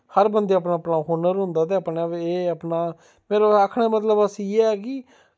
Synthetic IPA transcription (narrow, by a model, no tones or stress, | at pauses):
həɾbənd̪eːəpnaːəpnaːɦoːnəɾɦʊ̃nd̪aːt̪eːəpneːəpnaː | meːɾoaːkʰɳeːmət̪ləbəsieːɛːkɪ